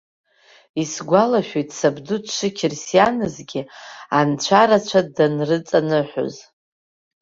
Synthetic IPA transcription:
isɡʷalaʃᶣejtʰʼsabdudʂɨkʲʰɪrsianɨzɡʲiant͡ɕʷʰaɾat͡ɕʷʰadanrɨt͡sʼanɨħʷo̰z

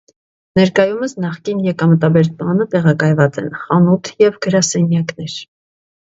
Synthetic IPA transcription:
nɛɾkɑjuməsnɑχkinjɛkɑmət̪ɑbɛɾt̪mɑnət̪ɛʁɑkɑjvɑt͡sɛ̰nχɑnut̪ʰjɛvɡəɾɑsɛnjɑknɛɾ

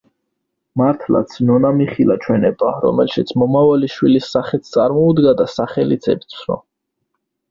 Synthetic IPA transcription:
maɾt̪ʰla̰t̪sʰnɔnamiχilat͡ʃʰwɛnɛbaɾɔ̰mɛlʃit̪sʰmɔmavaliʃwilisːaχɛt̪sʰt̪sʼaɾmɔud̪ɡad̪asaχɛlit̪sʰɛp̚t̪sʰɾɔ̰

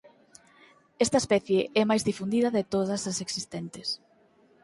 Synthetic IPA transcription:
ɛst̪ɐespɛθjeʔɛmajzðifund̪iðɐðɪt̪oðɐsɐseksist̪ɛnt̪ɪs

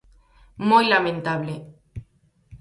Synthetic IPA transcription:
mojlamẽnt̪aβle

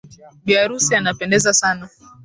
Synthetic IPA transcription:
ɓiaɾusianapɛndɛzasana

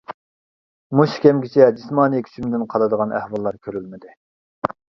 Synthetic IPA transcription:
muʃkʲʰɛmɡʲɪt͡ʃʰɛd͡ʒismɑːnɨkʲʰy̥t͡ʃʰymɪd̪ɪnqʰɑlˠɨd̪əʁɑnʔæ̰hwɑlˠːɑɾkʲʰøɾylmɪd̪ɪ

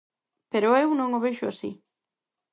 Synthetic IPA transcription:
peɾʊewnõŋoβeʃʊasḭ

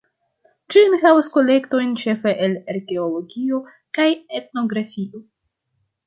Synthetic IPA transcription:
d͡ʒimixavosko̞le̞kto̞jnt͡ʃe̞feʔeleɾɡe̞olo̞ɡio̞ | kajet̚no̞ɡɾafio̞

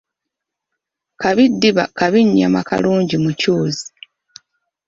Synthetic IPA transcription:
kaβidːiβakaβiɲːa̰makʰa̰luːɲɟimucuːzi

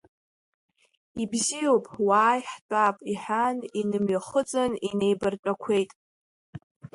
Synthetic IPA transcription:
ibzijowpʼwaːjħt͡pʷʼapʼiħaninɨmɥaχət͡sʼɨnine̞jbɨrt͡ʃʷʼakʷʰejtʼ

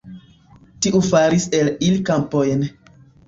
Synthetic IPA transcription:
tiʔufaɾise̞lilikampojn

